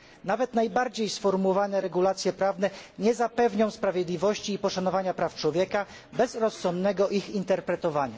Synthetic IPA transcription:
navɛt̪najbaɾd͡ʑejsfɔɾmuwɔvanɛɾɛɡulat̪sʲjɛpɾavnɛɲɛzapɛvɲɔ̃w̃spɾavʲjɛd̪lʲivɔɕt͡ɕiːpɔʂanɔvaɲapɾaft͡ʂwɔvʲjɛka | bɛzɾɔsːɔnd̪nɛɡɔʔixint̪ɛɾpɾɛt̪ɔvaɲa̰

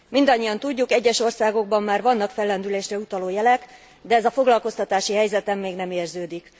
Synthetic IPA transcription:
mind̪ɒɲːijɒnt̪uɟːukɛɟːɛʃo̞rsaːɡo̞ɡ̚bɒmːaːrvɒnːɒkfɛlːɛnd̪yleːʃrɛut̪ɒloːjɛlɛk | d̪ɛɛzɒfo̞ɡlɒlko̞st̪ɒt̪aːʃiɦɛjzɛt̪ɛmːeːɡnɛmeːrzøːd̪ik

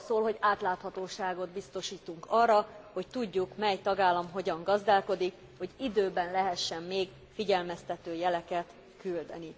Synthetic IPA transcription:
soːlɦo̞ɟaːt̪laːt̪hɒt̪oːʃaːɡo̞d̪bist̪o̞ʃiːt̪uŋkɒrːɒho̞ct̪uɟːukmɛjt̪ɒɡaːlːɒmɦo̞ɟɒŋɡɒzd̪aːlko̞d̪ik | ho̞ɟid̪øːbɛnlɛɦɛʃːɛmːeːɡ | fiɟɛlmɛst̪ɛt̪øːjɛlɛkɛt̪ | kyld̪ɛ̰ni

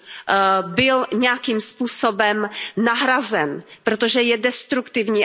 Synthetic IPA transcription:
bɪlɲɛjakiːmspuːsobɛmnaɦɾazɛnpɾot̪oʒɛjɛdɛst̪ɾukt̪ɪvɲiː

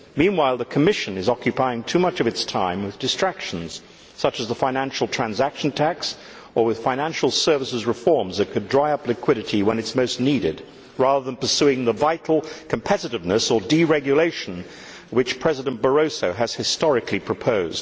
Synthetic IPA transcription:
mĩnwaɪlˠðɨkʰɨmɪʃɨ̃nɨzɑkjɨpʰaɪɪ̃ŋtʰʉmʌt͡ʃʌvɨtstʰãɪ̃mwɨðdɨstɹ̥ækʃn̩z̥ | sʌt͡ʃɨzðəfãɪ̃ñæ̃nʃl̩ˠtʰɹ̥æ̃nzækʃn̩tʰæks | ə˞wɨð̥fãɪ̃ñæ̃nʃl̩ˠsɜ˞vəsɨzɹɨfɔɹmzðɨt̚kʰɨdɹaɪʌplɨkʰw̥ɪɾɨɾiwə̃nɨtsmoʊstⁿniɾɪ̰d̚ | ɹæðə˞ðə̃npə˞sʉɪ̃ŋðəvaɪɾˡl̩ˠkʰm̩pʰɛɾɨɾɨvnɨsə˞diɹɛɡjɨleɪʃn̩ | wɨt͡ʃpʰɹ̥ɛzɨɾɨ̃nb̥ə˞oʊsoʊɨz̥hɨstɑɹɨkʰlipʰɹ̥ɨpʰoʊzd̥

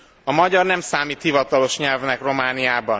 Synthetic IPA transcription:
ɒmɒɟɒrnɛmsaːmiːt̪hivɒt̪ɒlo̞ʃɲɛlvnɛkro̞maːnijaːbɒn

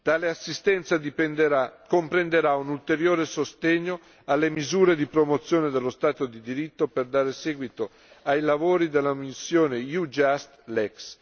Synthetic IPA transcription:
d̪̥aleasːist̪ɛnt̪sad̪ipend̪akompɾend̪eɾaunult̪eɾjoːɾesost̪eɲːo | alːemizuːɾed̪ipɾomot̪sːjoːned̪elːost̪aːt̪od̪id̪iɾit̪ːoperd̪aːɾesɛːɡwit̪o | ajlavoːɾid̪elːamisːjoːnejud͡ʒast̪lɛks

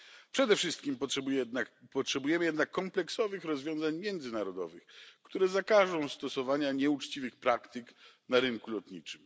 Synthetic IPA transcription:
pʂɛd̪ɛfʂɘst̪kʲimʂj̪apɔtʂɛbujɛmɘjɛd̪nakːɔmplɛksɔvɘxɾɔzvʲjɔ̃w̃zaɲmʲjɛnd̪zɘnaɾɔd̪ɔ̰vɘxkt̪uɾɛzakaʐɔ̃w̃st̪ɔsɔvaɲaɲɛut͡ʂt͡ɕivɘxpɾakt̪ɘk | naɾɘŋkulɔt̪ɲḭt͡ʂɘm

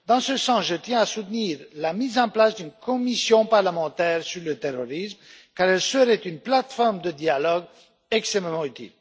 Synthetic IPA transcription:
d̪ɑ̃səsɑ̃sʒət̪jɛ̃asut̪niːʁlamizɑ̃plasd̪ynkomisjɔ̃paʁləmɑ̃t̪ɛʁsyɾlət̪eroɾism | kaɾɛlsəɾet̪ynplat̪fɔɾmd̪əd̪ialɔɡ | ɛkst̪ememɑ̃yt̪ḭl

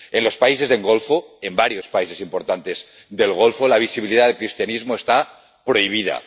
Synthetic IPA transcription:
e̞nlo̞spaise̞zðeŋɡo̞lfoe̞mbaɾjo̞spaise̞simpo̞ɾt̪ant̪e̞z | d̪e̞lɣ̞o̞lfolaβ̞isiβiliðaðekɾist̪janizmo̞est̪a | pɾo̞iβ̞ið̞a̰

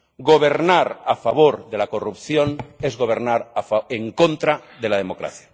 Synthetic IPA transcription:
ɡo̞βe̞ɾnaɾafaβ̞o̞ɾðe̞lako̞rupθjo̞nezɣo̞β̞e̞ɾnaɾafeŋko̞nt̪ɾaðe̞laðemo̞kɾa̰θja

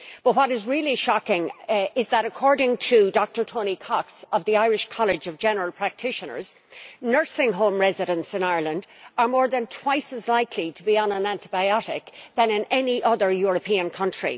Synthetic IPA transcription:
b̥ʌt̚wʌɾɪzɹɪlˠiʃɑkɪ̃ŋɪzðəɾəkʰɔɹɾɪ̃ŋtʰədɔk̚tə˞tʰõʊ̃nikʰɑksʌvðiaɪɹɪʃkʰɑlˠɪd͡ʒʌvd͡ʒɛnə˞əlˠpʰɹ̥æk̚tʰɪʃə̃nə̰˞z̥ | nɜ˞sɪ̃ŋɦõʊ̃mɹɛzɨɾə̃nsɪ̃naɪə˞lə̃ndə˞mɔːɹðə̃ntʰw̥aɪsəzlaɪkʰliɾəbiə̃nə̃næ̃ntɪbaɪɑɾɪkðə̃nɪ̃nɛniʔʌðə˞jʊɹəpʰĩə̃nkʰʌ̃nt͡ʃɹ̥ḭ

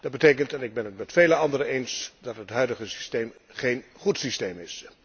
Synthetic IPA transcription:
d̥ɑd̚bətejkəntɛnɪɡ̚bɛnɦətmɛtfejləɑndərəejnsdɑtɦətɦœɥdəχəsi̥steːmχejnχutsistejmɪs

